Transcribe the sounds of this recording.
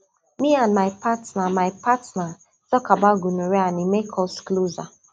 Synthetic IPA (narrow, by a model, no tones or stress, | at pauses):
mianmaɪpatnamaɪpatna | tɔkabaɡunuɾeanimekʰɔskloza